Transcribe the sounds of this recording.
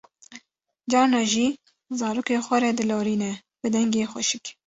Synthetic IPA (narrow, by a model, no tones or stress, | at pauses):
d͡ʒɑːɾnɑːʒiː | zɑːɾoːkeːxʷɛɾɛd̪ɨloːɾiːnɛ | b̥ɨd̪ɛŋɡeːxʷɛʃɪk